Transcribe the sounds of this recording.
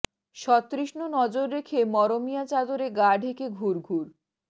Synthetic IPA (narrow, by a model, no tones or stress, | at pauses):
ʃɔt̪ːɾiʃnonɔd͡ʑoɾːekʰemɔɾomijat͡ɕad̪oɾeɡaɖʱekʰeɡʱuɾɡʱuɾ